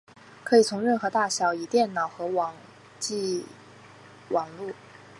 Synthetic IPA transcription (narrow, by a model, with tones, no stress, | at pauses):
kʰɤ˧˥i˨˩t͡sʰʊ˧˥ŋɻə˥˩nxɤ˧˥t̪a˥˩ɕjɑ˧˩˥ʊi˨˩t̪jɛ˥˩nnɑ˨˩ʊxɤ˧˥wɑ˨˩ŋ | t͡ɕi˥˧ | wʔɑ˨˩ŋlu˥˩